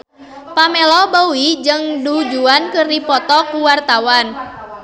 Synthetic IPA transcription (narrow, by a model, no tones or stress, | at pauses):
pamelɔbəwid͡ʒɨŋdud͡ʒuankɨrdipɔt̪ɔkuwart̪awan